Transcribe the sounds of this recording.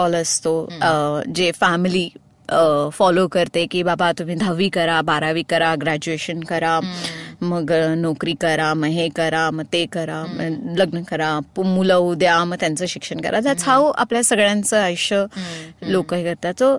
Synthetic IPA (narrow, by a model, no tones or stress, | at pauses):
ɔləst̪o | d͡ʑefæmiliː | fɔlokəɾt̪ekiːbabat̪um̤ĩːd̪ʱəʋiːkəɾabaɾaʋiːkəɾaɡɾæd͡ʑueɕənkəɾa | məɡnɔkɾiːkəɾaməɦekəɾaməɡt̪ekəɾaləɡnəkəɾapumuləwd̪jaməɡ̚t̪jant͡səːɕikʂəɳkə̰ɾʔa̰d͡z̪at͡sʰawa̰pljasəɡɭjãnt͡səːəjɕəlokaɦjkəɾt̪at͡so